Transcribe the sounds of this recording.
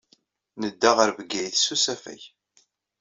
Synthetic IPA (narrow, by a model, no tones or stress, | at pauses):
nəd̪ːaʁəɾvəɡːæjθsusæfæ̰j